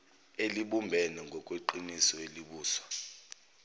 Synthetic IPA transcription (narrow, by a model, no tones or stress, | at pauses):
eliɓumbʱɛnɛŋɡʱɔkʼweǃinisɔeliɓuːswḁ